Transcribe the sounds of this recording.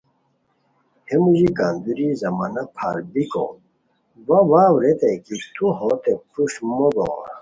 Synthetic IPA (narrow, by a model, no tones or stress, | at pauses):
hemuʑikaːnd̪uɾizɐmaːnɐpʰaːɾbiko̰ | wɐwaːwɾet̪ekit̪uɦot̪epuɕmoɡo̰ːɾ